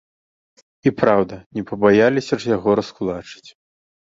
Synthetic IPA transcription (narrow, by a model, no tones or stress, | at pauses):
ipɾawd̪ɐnʲɛpɐbajalʲisʲɐʐjaɣɔɾɐskulˠat͡ʂɨ̥t͡sʲ